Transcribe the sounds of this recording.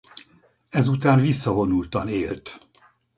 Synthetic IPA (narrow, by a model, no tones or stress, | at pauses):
ɛzut̪aːnvisːɒɦo̞nult̪ɒneːlt̪